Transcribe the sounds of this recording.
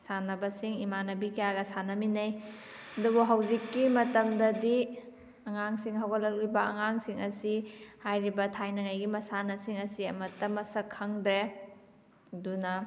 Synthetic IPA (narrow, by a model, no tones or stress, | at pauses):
sanɐbɐsiŋimanɐbikijaɡɐsanɐminɐj | ɐdubuɦawzikːimɐtɐmdɐdi | ɐŋaŋsiŋɦawɡɐlɐk̚libɐɐ̰ŋaŋsiŋɐsihajɾibɐtʰajnɐŋajɡimɐsanɐsiŋɐsiɐmɐtːɐmɐsɐkʰːɐŋdɾe | dunɐ